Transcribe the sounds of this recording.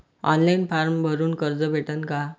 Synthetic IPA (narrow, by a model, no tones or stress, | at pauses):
ɔ̰nlainpaɾmbʱəɾuːnkəɾd͡zəbʱeʈənka